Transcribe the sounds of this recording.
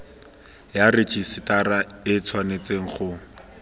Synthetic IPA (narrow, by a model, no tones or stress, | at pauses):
jarɪt͡ʃʼisɪtaraɪt͡sʰwanet͡seŋ̩χʊ